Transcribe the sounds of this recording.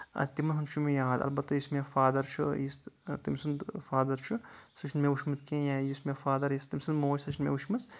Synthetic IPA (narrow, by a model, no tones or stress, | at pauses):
ɐ̰t̪imɐnɦunt͡ʃʰumijaːd̪ɐ̰lbɐt̪ːɐjismʲefaːd̪ɐɾt͡ʃʰujist̪imsɨnd̪faːd̪ɐɾt͡ʃʰusɨt͡ʃʰnmeʋuʃmɨt̪kẽjãːjismʲefaːd̪ɐɾjist̪imʲsɨnmoːsɐt͡ʃʰnmʲḛʋuʃmɐt͡s